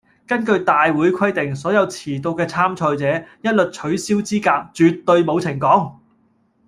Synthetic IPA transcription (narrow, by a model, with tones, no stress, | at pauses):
kɐ˥nkɵ˧ɥt̪aː˨jwuː˨˥jkʰɐ˥jt̪ɪ˨ŋsɔː˨˥jɐ˨˧wt͡sʰiː˨˩t̪o˧wkɛː˧t͡sʰaː˥mt͡ʃʰɔː˧jt͡sɛː˨˥jɐ˥t̚lɵ˨t̚t͡ʃʰɵ˨˥ɥsiː˥wt͡siː˥kaː˧k̚t͡syː˨tt̪ːɵ˧ɥmo˨˧wt͡sʰɪ˨˩ŋkɔː˨˥ŋ